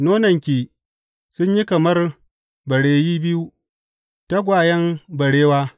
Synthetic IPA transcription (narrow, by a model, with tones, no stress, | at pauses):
noː˦nɐ˨ŋkʲi˨ | sʊ˦ɲji˦kɐ˨mɐ˦r | bɐ˨ɽeː˦jiː˦bɪ˦ju˦ | ta˦ɡʷaː˨jɛ˦mbɐ˨ɽeː˦waː˦